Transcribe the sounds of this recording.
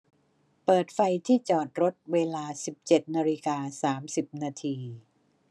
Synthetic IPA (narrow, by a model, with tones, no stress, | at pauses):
pɤː˨˩t̪̚fa˧jt̪ʰiː˥˩t͡ɕɔː˨˩t̪̚ɾo˦˥t̪̚weː˧laː˧si˨˩p̚t͡ɕe˨˩t̪̚naː˧li˦˥kaː˧saː˩˦msi˨˩p̚naː˧t̪ʰiː˧